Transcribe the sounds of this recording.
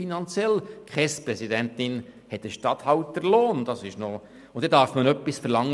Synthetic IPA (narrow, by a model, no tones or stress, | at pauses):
inɑnt͡sjɛlkʰχɛspɾɛsidɛnt̪ɪnhɛt̪̚d̥əʃtɑt̪hɑwt̪ːəɾloːnd̥̪ɑsɪʃnɔ | ʊnd̥̪ɛdɑɾfmənœpːisfəɾlɑŋː